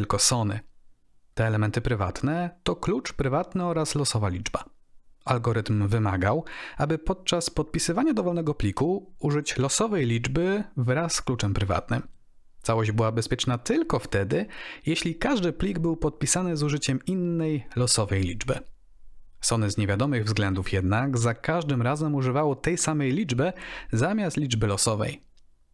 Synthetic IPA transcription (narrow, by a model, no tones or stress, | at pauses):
lkɔsɔnɘ̰ | t̪ɛːlɛmɛnt̪ɘpɾɘva̰t̪nɛt̪ɔklut͡ʂpɾɘvat̪nɘɔɾaslɔsɔvalʲid͡ʐba̰ | alɡɔɾɘt̪mvɘma̰ɡawabɘpɔt̪̚t͡ʂaspɔt̪̚pʲisɘvaɲad̪ɔvɔlnɛɡɔplʲikuuʐɘt͡ɕlɔsɔvɛjlʲid͡ʐbɘvɾasːklut͡ʂɛmpɾɘva̰t̪nɘm | t̪sawɔʑd͡ʑbɘwabɛspʲjɛt͡ʂnat̪ɘlkɔft̪ɛd̪ɘjeɕlʲikaʐd̪ɘplʲiɡbɘwpɔt̪̚pʲisanɘzuʐɘt͡ɕɛminːɛjlɔsɔvɛjlʲḭd͡ʐbɘ̰ | sɔnɘzɲevʲjad̪ɔmɘɣvzɡlɛnd̪ufjɛd̪naɡzakaʐd̪ɘmɾazɛmuʐɘvawɔt̪ɛjsamɛjlʲid͡ʐbɛzamʲjast̪lʲid͡ʐbɘlɔsɔvɛ̰j